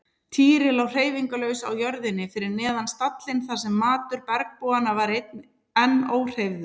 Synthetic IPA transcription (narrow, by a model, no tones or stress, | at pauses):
t̪ʰiːɾɪlawr̥eːjviŋkʏlœːwsa̰wjœɾðɪnːɪfɪɾɪɾnɛːðanst̪at̪lɪnθasɛmːaːt̪ʏɾpɛɾk̚poːanavaɾet̪n | ɛnːoːwr̥ejvðʏ